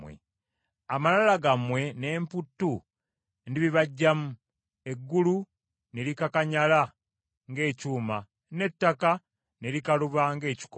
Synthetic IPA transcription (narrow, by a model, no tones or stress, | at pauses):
wḛ | amalalaɡamwe̞ne̞ːmputːu | ndiβiβaɟːamu | e̞ɡːulu | neɾikakaɲala | ŋɡe̞ːcuːma | ne̞tːaka | nelikaluβaŋɡe̞ːci̥k